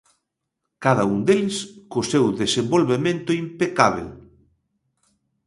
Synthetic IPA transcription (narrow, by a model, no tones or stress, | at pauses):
kaðɐund̪elskʊsewðesembolβemẽnt̪ʊimpekaβ̞ḛ